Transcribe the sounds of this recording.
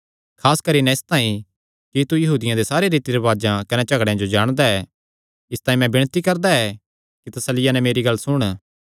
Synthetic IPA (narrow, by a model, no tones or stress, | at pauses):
kʰaːskɐɾinɛɪst̪aːĩ | kit̪ujɐɦuːd̪ɪjãd̪esaːɾeɾiːt̪iɾeʋaːd͡ʒãkɐnɛt͡ʃɐɡɽejãd͡ʒod͡ʒaːɽ̃d̪aɛ | ɪst̪aːĩmɛ̃bɪɽ̃t̪ikɐɾd̪aɛ | kit̪ɐsəlɪjanɛmeːɾiɡɐlsʊɽ̃